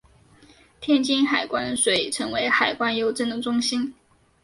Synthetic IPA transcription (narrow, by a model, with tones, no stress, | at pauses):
t̪ʰjɛ˥˩nt͡ɕi˥nxa˨˩ɪkwa˥nʂwe˨˥˩ɪʈ͡ʂʰɤ˧˥ŋwe˧˥ɪxa˨˩ɪkwa˥njo˧˥ʊʈ͡ʂə˥˩nd̪ə˩ʈ͡ʂʊ˥ŋɕi˥n